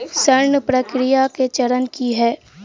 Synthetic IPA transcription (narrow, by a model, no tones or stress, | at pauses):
sɐɾɳəpɾɐkɾɪjaket͡ʃɐɾənkiɦɛː